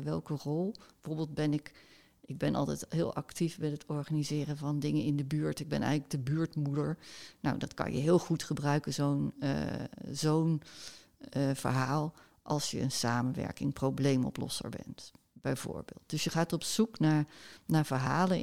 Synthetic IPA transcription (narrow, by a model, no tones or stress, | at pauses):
ʋɛlˠkərɔlˠbəvoːɹbeːlˠt̚bɛnɪk | ɪɡ̚bɛnɑ̰lˠtɛjtɦɪːlˠɑktifmɛtətɔɹχanizɪːrəvɑndɪŋənɪndəbyːɹtɪɡ̚bɛnɛ̰jənləɡ̚dəbyːɹtmudəɹna̰wdɑtkɑ̰njə̰ɦɪːlˠχutχəbrœɥkənzon̰ | zown | v̥ə̰ɹɦaːlˠ | ʔɑlˠsjəənsaːmənʋɛ̰ɹkɪŋprowblejmɔ̰plɔ̰sə̰ɹbɛ̰nt | b̥ɛjv̥o̰ːɹbḛːlˠt̚d̥ɵsjəχaːtɔpsuknaːɹnaːɹvəɹɦaːlə